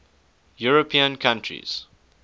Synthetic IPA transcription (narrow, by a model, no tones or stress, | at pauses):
juɹəpʰĩə̃nkʰãntʰɹḭz̥